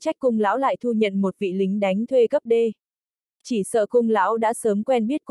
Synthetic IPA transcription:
t͡ɕa˦˥jk̟̚kʊ˧ŋ͡mla̰ː˧˥wla̰ː˧˨jt̪ʰu˧ɲə̰˧˨nmo˨˩t̚vḭ˧˨lï˨˦ŋ̟ɗa˨˦jŋ̟t̪ʰwe˧kə˦˥p̚ɗe˧ | t͡ɕi˧˩sə̰ː˧˨xʊ˧ŋ͡mla̰ː˧˥wɗa̰ː˧˥səː˨˦mkwɛ˧nɓi˦˥ət̚k

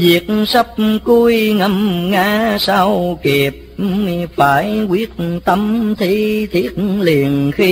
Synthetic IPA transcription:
zi˨˩ət̚sə˦˥p̚ku˧jŋə˧˩mŋaː˧˦saː˧˩wki˨˩p̚faː˧˩˦jkwi˦˥ət̚t̪ə˧mt̪ʰi˧t̪ʰi˦˥ət̚li˨˩ənxi˧

